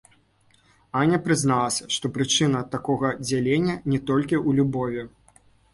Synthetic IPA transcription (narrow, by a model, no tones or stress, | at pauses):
anʲɐpɾɨznalˠɐsʲɐ̥ʂt̪ɔpɾɨt͡ʂɨnɐt̪akɔɣɐd͡zʲalʲenʲːɐnʲɛt̪ɔlʲkʲiulʲubɔvʲi